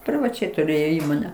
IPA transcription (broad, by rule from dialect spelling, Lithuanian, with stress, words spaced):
pʲrʲɪʋɐˈt͡ʃʲɛɪ tʊˈrʲeːjoː ˈiːmoːnʲɛ